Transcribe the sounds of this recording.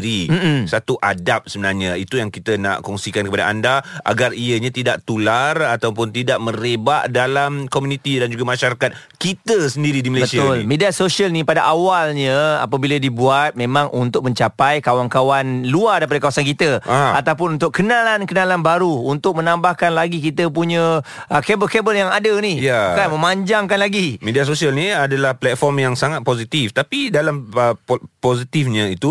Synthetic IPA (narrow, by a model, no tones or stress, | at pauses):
ɾim̩sat̪uʔadap̚səbənarɲait̪ujaŋkit̪əna̰ʔkɔŋsikankəpada̰ʔandaʔa̰ɡariəɲãt̪idaʔ̚t̪ularat̪awpʊnt̪idaʔmə̃ɾebaʔdalamkomunit̪idand͡ʒuɡamaʃaɾakat̪̚ | kit̪əsəndiɾidiməlabəstiaʊllmediasoʃalnĩpadaʔawalɲãa̰pabiladibuat̪̚mẽmãŋʔunt̪ʊk̚mə̃ɲt͡ʃapajkawankawanluardajpadakawasankit̪əaat̪awpʊnunt̪ʊkkːənalankənalanbaɾuunt̪ʊk̚mənambahkanlaɡik̬it̪əpuɲə | əkebəlkebəljaŋadənijakanmə̃maɲd͡ʒaŋkanlaɡimedias̬osialniadalahplɛt̪̚fɔrmjaŋsaŋat̪̚posit̪ift̪apidalaməposit̪ifɲãit̪u